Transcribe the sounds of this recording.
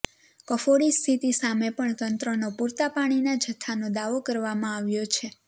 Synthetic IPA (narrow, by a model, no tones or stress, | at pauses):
kəfoɽist̪ʰit̪isamepəɳt̪ənt̪ɾənopuɾt̪apaɽ̃inad͡ʒʱət̪ʰːanod̪aʋokəɾʋamãaʋjot͡ʃʰe